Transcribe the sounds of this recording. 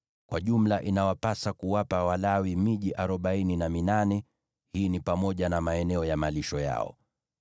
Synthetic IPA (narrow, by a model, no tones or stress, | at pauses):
kwaʄum̩laʔinawapasakuwapawalawimiʄiʔaɾɔɓaininaminanɛ | hiːnipamɔʄanamaɛnɛɔjamaliʃɔja̰ɔ̰